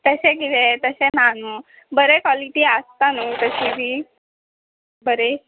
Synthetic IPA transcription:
t̪əsekit̪et̪əsenanuː | bəɾekwaliʈiast̪anut̪əsibʱi | bəɾe

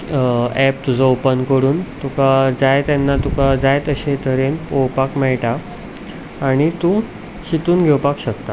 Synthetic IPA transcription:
ɛpt̪ud͡zʱaopənkəɾuːnt̪ukad͡zajt̪janːat̪ukad͡zajt̪əɕet̪ʰəɾenpowpakmɛɭʈaː | ɽ̃it̪ũ | ɕit̪uːnɡʱewpakɕəkt̪a

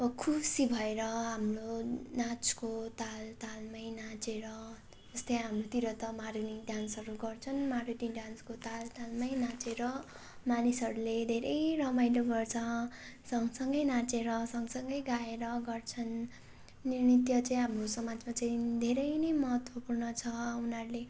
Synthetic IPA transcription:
ʌbʌkʰubsibʱʌeɾʌɦamronat͡skot̪alt̪almʌjnat͡seɾʌ | d͡zʌst̪ʌjɦamrot̪iɾʌt̪ʌmariniɖ̪jansʌɾuɡʌrt͡sʰʌnmaɾiʈiɖjanskot̪alt̪almʌjnat͡seɾʌ | manisʌɾuled̪ʱeɾʔʌjrʌmajloɡʌrt͡sʰʌ | sʌŋsʌŋɡʌjnat͡seɾʌsʌŋɡsʌŋɡʌjɡaeɾʌɡʌrt͡sʰʌnː | irnit̪jʌt͡saĩɦamrosʌmad͡zmat͡saĩd̪ʱeɾʌjnʌjmʌɦʌt̪wʌpurnʌt͡sʰʌunʌɾule

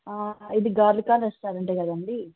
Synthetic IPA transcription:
aːid̪iɡaːɾlikaːɐsʈ̪aːɾɐɳʈeːkɐd̪ɐɳɖi

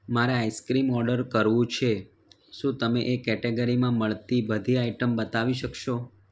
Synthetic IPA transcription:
maɾeajskɾimɔɾɖəɾkəɾʋũt͡ʃʰe | ʃũt̪əmeʔekɛʈeɡəɾimãməɭt̪ibəd̪ʱiaiʈəmbət̪aʋiʃəkʃo

